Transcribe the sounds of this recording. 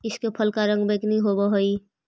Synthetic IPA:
ɪskepʰəlkaɾə̃ŋɡbeknĩɦobaɦoi

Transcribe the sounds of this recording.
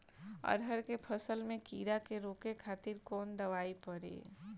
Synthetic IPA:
ə̰ɾɦəɾkepʰəsəlmẽkiːɾakeɾoːkekʰaːt̪ɪɾkɔːnd̪ɐʋaːipəɾḛː

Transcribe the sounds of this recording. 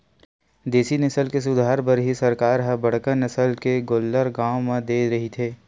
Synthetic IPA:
d̪eːsinɐsəlkes̬ʊd̪ʱaːɾpɐɾɦisɐɾkaːɾɦəbɐɽ̤kənːɐsəlkeɡoːlːəɾɡãːomẽd̪eːɾɐɦit̪ʰeː

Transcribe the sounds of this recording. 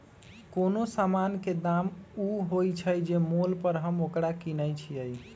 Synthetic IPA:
konosamanked̪amuɦojt͡ʃʰəjd͡ʒemolpəɾɦəmokɾakinəjt͡ʃʰiəj

